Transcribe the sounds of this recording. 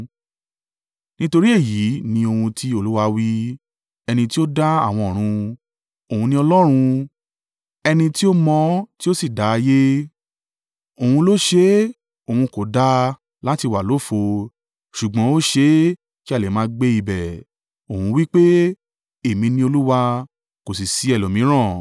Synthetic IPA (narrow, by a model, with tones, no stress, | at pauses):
nĩ˦to˧ɾi˦e˦˨ji˨˦nĩ˧o˧hũ˧ti˦o˧lu˦wa˧wi˦ | ɛ˧nĩ˧ti˦o˦da˦a˦˨w̃ɔ̃˧ɔ˨ɾ̃ũ˧ | o˨ũ˧nĩ˧ɔ˧lɔ˦ɾ̃ũ˧ | ɛ˧nĩ˧ti˦o˦mɔ̃˧ti˦o˦si˦˨da˨˧je˦ | o˨hũ˧lo˦ʃe˦ | o˨hũ˧ko˨da˧ | la˦ti˧˨wa˨lo˨˦˨fo˧ | ʃu˨ɡ͡bɔ̃˨˦o˦ʃe˦ | ki˦a˦˨le˨mãː˧˦˧ɡ͡be˦i˧bɛ˨ | o˨hũ˧wi˦k͡pe˦ | e˦˨mĩ˧nĩ˧o˧lu˦wa˧ | ko˨s̬i˨si˨˦ɛ˨lo˨mĩ˨˦ɾ̃ã˦˨